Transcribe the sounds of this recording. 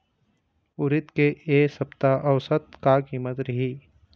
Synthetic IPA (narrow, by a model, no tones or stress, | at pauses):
ʊɾɪt̪keeːsɐpt̪aʔɐʋsət̪̚kakiːmət̪ɾɐɦiː